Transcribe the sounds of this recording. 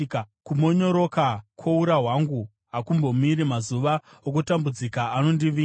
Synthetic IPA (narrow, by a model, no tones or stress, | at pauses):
kumo̞ɲo̞ɾo̞kakʰwouɾaɦwaŋɡu | ɦakumbo̞miɾimazuʋa | ok̬utambud͡zikaːno̞ndiʋi